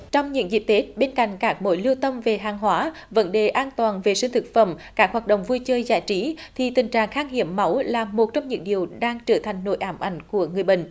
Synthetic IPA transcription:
t͡ɕɔ˧wŋ͡mɲɨ̰˧˥ŋzḭ˧˨˩t̪e˨˦˥t̚ɓe˧nka̰˧˨jŋ̟kaː˦˥k̚mo̰˧˨˦jli˧əwt̪ə˧mve˨˩ɦaː˨˩ŋɦwaː˨˦ | və̰˧˥nɗe˨˩ʔaː˧nt̪waː˨˩nve˨˩sï˧ŋ̟t̪ʰɨ˨˩k̚fə̰˧˩mkaː˦˥k̚hwaː˨˩t̚ɗo̰˧˨wŋ͡mvu˧jt͡ɕəː˧jza̰ː˧˥jt͡ɕi˨˦t̪ʰi˨˩t̪ï˨˩ŋ̟t͡ɕaː˨˩˨ŋxaː˧ŋɦḭ˧˩əmːa˨˦wlaː˨˩mo˨˩t̚t͡ɕɔ˧wŋ͡mɲɨ̰˧˥ŋɗi˨˩əwɗaː˧ŋt͡ɕəː˧˩t̪ʰa˨˩jŋ̟no̰˧˥jʔaː˨˩mʔa˨˦jŋ̟ku˧˩əŋɨ˨˩əjɓḭ̈˧˨ŋ̟

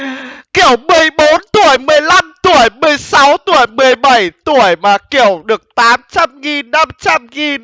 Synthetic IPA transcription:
ki˧˩əwmɨ˨˩əjɓo˨˦nt̪u˧˩əjmɨ˨˩əjla˧mt̪u˧˩əjmɨ˨˩əjsa˨˦wt̪u˧˩əjmɨ˨˩əjɓa˧˩jt̪u˧˩əjmaː˨˩ki˧˩˨əwɗɨ˨˩ək̚t̪aː˨˦mt͡ɕa˧mŋi˨˩nːa˧mt͡ɕa˧mŋi˨˩n

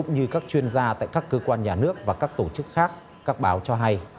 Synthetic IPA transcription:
ʊ̰˧˥ŋ͡mɲɨ˧kaː˦˥k̚t͡ɕwi˧ənzaː˧t̪a̰ː˧˨jkaː˦˥kːəː˧kwaː˧nɲaː˨˩nɨ˦˥ək̚vaː˨˩kaː˦˥k̚t̪o˧˩t͡ɕɨ˦˥k̚xaː˦˥k̚ | kaː˦˥k̚ɓaː˨˦wt͡ɕɔ˧ɦa˧j

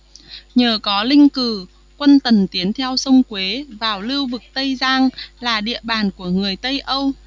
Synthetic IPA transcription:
ɲəː˨˩kɔ˨˦lï˧ŋ̟kɨ˧˩ | kwə˧nt̪ə˨˩nt̪i˨˦ənt̪ʰɛ˧wsə˧wŋ͡mkwe˨˦vaː˨˩wli˧wvɨ˨˩k̚t̪ə˧jzaː˧ŋlaː˨˩ɗḭ˧˨əɓaː˨˩nku˧˩əŋɨ˨˩əjt̪ə˧jʔə˧w

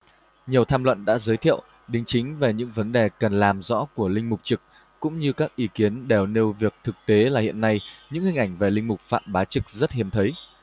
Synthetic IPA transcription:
ɲi˨˩əwt̪ʰaː˧mlwə̰˧˨nɗa̰ː˧˥zəː˨˦jt̪ʰḭ˧˨əw | ɗï˨˦ŋ̟t͡ɕï˨˦ŋ̟ve˨˩ɲɨ̰˧˥ŋvə˨˦nɗe˨˩kə˨˩nlaː˨˩mzɔ̰˧˥ku˧˩əlï˧ŋ̟mʊ˨˩k͡p̚t͡ɕɨ˨˩k̚ː | ʊ̰˧˥ŋ͡mɲɨ˧kaː˦˥k̚ʔi˨˦ki˨˦ənɗe˨˩wne˧wvi˨˩ək̚t̪ʰɨ˨˩k̚t̪e˨˦laː˨˩hḭ˧˨ənːa˧jɲɨ̰˧˥ŋhï̟˨˩ʔa˧˩jŋ̟ve˨˩lï˧ŋmʊ˨˩k͡p̚fa̰ː˧˨mɓaː˨˦t͡ɕɨ˨˩k̚zə˦˥t̚hi˨˦əmt̪ʰə˨˦j

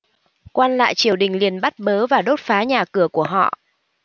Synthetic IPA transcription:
kwaː˧nla̰ː˧˨jt͡ɕi˧˩əwɗï˨˩ŋ̟li˨˩ənɓa˦˥t̚ɓəː˨˦vaː˨˩ɗo˦˥t̚faː˨˦ɲaː˨˩kɨ˧˩əku˧˩əɦɔ̰˧˨ʔ

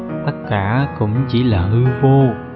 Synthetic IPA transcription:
t̪ə˦˥t̚kaː˧˩˦kʊ̰˧˥ŋ͡mt͡ɕi˧˥laː˨˩hɨ˧vo˧

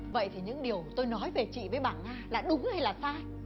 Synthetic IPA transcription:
və̰˧˨jt̪ʰi˨˩ɲɨ̰˧˥ŋɗi˨˩əwt̪o˧jnɔ˨˦jve˨˩t͡ɕḭ˧˨vəː˨˦jɓaː˧˩nŋaː˧laː˨˩ɗʊ˨˦ŋ͡mha˧jlaː˨˩saː˧j

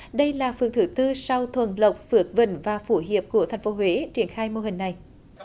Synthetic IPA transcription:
ɗə˧jlaː˨˩fɨ˨˩əŋt̪ʰɨ˨˩t̪ɨ˧sa˧wt̪ʰwə˨˩nlə˨˩wk͡p̚p̚fɨ˨˦˥ət̚və̰˧˩nvaː˨˩fu˧˩ɦi˨əp̚ku˧˩ət̪ʰɛ˨˩ŋ̟fo˨˦ɦwe˨˦t͡ɕi˧˩ənxaː˧jmo˧ɦï˨˩ŋ̟na˨˩j

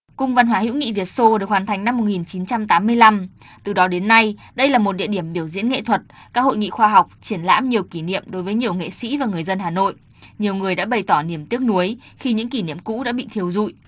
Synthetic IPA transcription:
kʊ˧ŋ͡mva˧nɦwaː˨˦hḭ˧˥wŋḭ˧˨vi˨˩ət̚so˧ɗɨ˨˩ək̚waː˨˩nt̪ʰjŋ̟na˧mːo˨˩t̚ŋi˨˩nt͡ɕi˨˦nt͡ɕa˧mt̪aː˨˦mːɨ˧əjla˧m | t̪ɨ˨˩ɗɔ˨˦ɗe˨˦nːa˧j | ɗə˧jlaː˨˩mo˨˩t̚ɗḭ˧əɗi˧˩əmɓi˧˩əwzḭ˧˥ənŋḛ˧˨t̪ʰwə˨˩t̚kaː˦˥k̚ho̰˧˨jŋḭ˧˨xwaː˧ɦa˨˩wk͡p̚t͡ɕi˧˩ənla̰ː˧˥mɲi˨˩əwki˧˩nḭ˧˨əmɗo˨˦jvəː˨˦jɲi˨˩əwŋḛ˧˨sḭ˧˥vaː˨˩ŋɨ˨˩əjzə˧nhaː˨˩no̰˧˨j | ɲi˨˩əwŋɨ˨˩əjɗa̰ː˧˥ɓə˨˩jt̪ɔ˧˩ni˧˩əmt̪i˦˥ək̚nu˨˦əjxi˧ɲɨ̰˧˥ŋki˧˩nḭ˧˨əmkṵ˧˥ɗa̰ː˧˥ɓḭ˧˨t̪ʰi˧əwzṵ˧˨jʔ

